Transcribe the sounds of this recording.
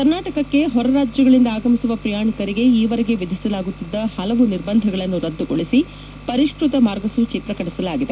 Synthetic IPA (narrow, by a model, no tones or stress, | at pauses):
kɐɾnaːʈɐkɐkːe̞ɦɔɾɐɾaːd͡ʒjɐɡɐɭind̪ɐaːɡɐmisuʋɐpɾɐjaːɳikɐɾiɡe̞iːʋɐɾeɡe̞ʋid̪ʱisɐlaːɡut̪ːid̪ːɐhɐlɐʋuniɾbɐnd̪ʱɐɡɐɭɐnːuɾɐd̪ːuɡoɭisi | pɐɾiʂɾut̪ɐmaːɾɡɐsut͡ʃit̪ɾɐkɐʈisɐlaːɡid̪e